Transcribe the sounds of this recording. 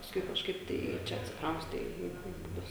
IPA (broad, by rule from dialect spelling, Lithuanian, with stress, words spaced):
pɐsˈkʊɪ kɐʃˈkɐɪp ˈtɐɪ ˈt͡ʃʲɛ ɐtʲsʲɪkˈrɐʊsʲtʲɛ ɪ ɪ bʊˈbʲʊs